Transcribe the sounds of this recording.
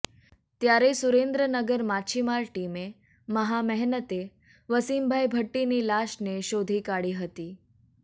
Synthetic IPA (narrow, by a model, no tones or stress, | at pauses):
t̪jaɾesuɾend̪ɾənəɡəɾmat͡ɕʰimaɾʈime | məɦamɛɦnət̪e | ʋəsiːmbʱajbʱəʈːiniːlaɕneɕod̪ʱiːkaɽiːɦət̪iː